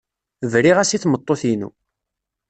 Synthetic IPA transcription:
vɾiʁæsiθmət̪ˤːoθinṵ

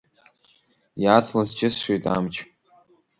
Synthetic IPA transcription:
jaːt͡sʰlazt͡ʃʼɪsʃʷejtʼa̰mt͡ʃʰʼ

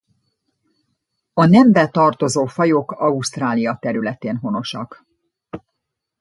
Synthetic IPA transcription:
ɒnɛmbɛt̪ɒrt̪o̞zoːfɒjokɒuʃt̪raːlijɒt̪ɛɾylɛt̪eːnɦo̞no̞ʃɒ̰k

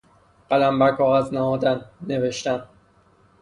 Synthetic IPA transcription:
ɢ̥ælæmbæɾkʰɒːɣæznæɦɒːd̪ænːe̞ve̞ʃt̪æn

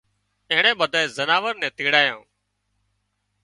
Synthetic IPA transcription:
ẽːɪɳɛ̃ːɓəd̪ʱaːeːzənaːʋəɾnɛ̃ːt̪iːɽaːjãː

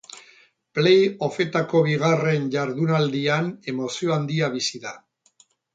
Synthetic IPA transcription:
plejo̞fe̞t̪ako̞β̞iɣ̞are̞nʝaɾðunald̪iane̞mo̞sio̞and̪iaβisiða

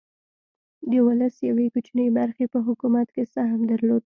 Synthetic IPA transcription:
d̪əwʊləsjawekut͡ʃnəjbaɾxepəɦʊkumat̪kesaɦmd̪aɾlod̪̚

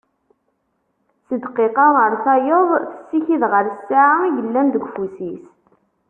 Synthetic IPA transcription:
səd̪qːeqɑʁəɾˤθɑjəðˤθə̥sːiçiðʁəɾsːaʕaiʝəlːænd̪əɡʷfusis

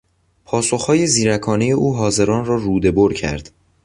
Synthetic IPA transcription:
pʰɒːsoxhɒːje̞ziːɾækʰɒːneje̞ʔuːɦɒːze̞ɾɒːnrɒːruːd̪e̞boɾcʰæ̰ɾd̪̥

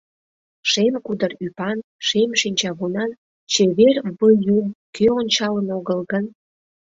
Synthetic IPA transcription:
ʃemkud̪ərypɑn | ʃemʃinʲt͡ɕɑɣunɑn | t͡ɕeβerβəjumkøonʲt͡ɕɑlənoɣəlɣən

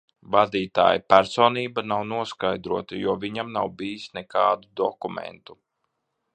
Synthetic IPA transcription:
vad̪iːt̪a̰ːjipæɾsɔːniːbanawnuɔskajd̪ɾuɔt̪ajuɔviɲamnawbiːisnɛkaːd̪ud̪ɔkumɛ̰nt̪u

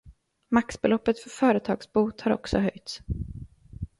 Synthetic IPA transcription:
maksbɛlɔpːət̪fœɾfœːɾət̪ʰɑ̰ːɡsbuːt̪haɾɔ̰ksɔ̰ɦœjt̪s

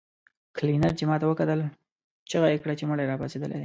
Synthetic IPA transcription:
klinaɾt͡ʃemɑt̪awəkat̪əl | t͡ʃəɣaekɽat͡ʃeməɽajɾɑpased̪əlḛd̪e

